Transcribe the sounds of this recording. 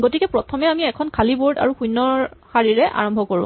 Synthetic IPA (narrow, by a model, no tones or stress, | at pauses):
ɡotikɛpɹɔtʰɔmɛamiɛkʰɔnkʰaliboɹda̰ɹuxujnːɔxaɹiɹɛʔa̰ɹɔmbʱɔkoɹʊ̰̃